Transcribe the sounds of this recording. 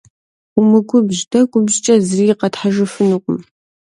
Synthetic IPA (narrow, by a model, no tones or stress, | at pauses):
ʊmɨɡʷʊbʑdɐkʷʼʊbʑt͡ʃʼɐzɨriɪqɐtħaʒɨfɨnɨqʷʼʊm